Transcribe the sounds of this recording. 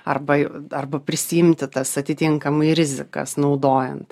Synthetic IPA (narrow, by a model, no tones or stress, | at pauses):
ɐrbɐjɛɐrbɐpʲɾʲɪsʲɪjɪmʲt̪ʲɪt̪ɐsɐt̪ʲɪt̪ʲɪŋkɐmɐɪɾʲɪzʲɪkɐ̰snɐʊd̪oːjɛnt̪